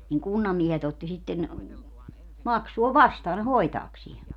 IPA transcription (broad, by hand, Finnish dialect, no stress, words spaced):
niŋ kunːɑmːiehet otːi sitːen mɑksuo ʋɑstɑː ne hoitɑːksie